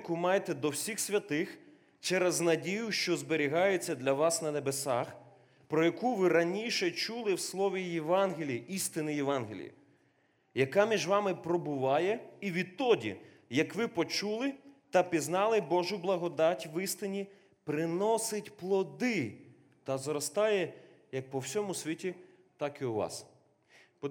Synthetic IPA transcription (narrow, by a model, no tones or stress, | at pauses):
kʊmɑjt̪ɛd̪ɔwsʲixsʲʋʲɐt̪ɪx | t͡ʃɛɾɛznɐdʲijʊʃt͡ʃɔzbeɾʲiɦɑjet͡sʲːɐd̪lʲɐʋɑsnɐnebesɑx | pɾɔjɐkuʋɪɾɐnʲiʃɛt͡ʃulˠɪwslˠɔʋʲijɛʋɑnɦɪlʲijiʔist̪ɪnɪjɛʋɑnɦʲɪ̰lʲḭjḭ | jɐkɑmʲiʒʋɑmɪpɾɔbʊʋɑjɛiʋʲit̪ːɔdʲḭ | jɐkʋɪpɔt͡ʃulˠɪt̪ɐpʲiznɑlˠɪbɔʒʊblˠɐɦɔd̪ɑtʲʋɪst̪ɪnʲi | pɾɪnɔsɪtʲplˠɔd̪ɪ | t̪ɐzɾɔst̪ɑjɛ | jɐk̚pɔwsʲɔmʊsʲʋʲitʲi | t̪ɑkɪʊʋɑ̰s | p